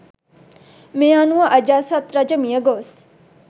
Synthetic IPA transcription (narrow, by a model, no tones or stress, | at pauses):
meanuɐʔəd͡ʒaːsat̪ɾad͡ʒəmijəɡoːs